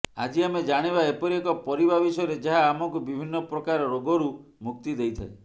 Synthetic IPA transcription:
a̰d͡ʒiamed͡ʒaɽ̃iβaepɔɾiekɔpɔɾibabisɔɔɾed͡ʒaɦaːmɔŋkubibʱinːɔpɾɔkaɾɔɾoɡɔɾumuk̚t̪id̪ejt̪ʰae

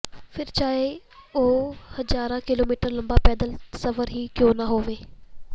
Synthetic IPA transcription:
fɪɾt͡ɕaːɦe | ohɐzaːɾãkɪloːmiːʈəɾlɐ̃mbapɛːd̪əlsɐfəɾɦikjõːnɐɦoːʋeː

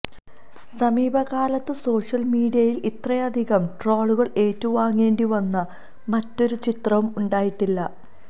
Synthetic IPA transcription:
sɐmiːbʱɐɣaːlɐt̪ːɨso̞ːʂɐlmiːɖijɐjilit̪rɐjɐd̪ʱiɣɐmʈroːɭuɣɐɭe̞ːtːuʋaːŋːe̞ːɳɖiʋɐnːɐ | mɐtːo̞ɾut͡ɕit̪rɐʋumuɳɖaːjiʈːilːɐ

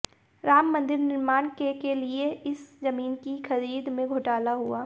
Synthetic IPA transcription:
ɾaːmːɐ̃nd̪ɪɾnɪɾmaːñkekelieɪszɐmiːnkixɐɾiːd̪mẽɡʱʊʈaːlaɦuaː

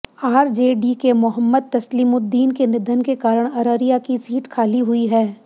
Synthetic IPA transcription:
aːɾd͡ʒeːɖikemʊɦəmːəd̪̚t̪ɐsliːmʊd̪ːiːnkenɪd̪ʱənkekaːɾəɽ̃ɐɾəɾijakisiːʈkʰaːliɦʊiɦɛː

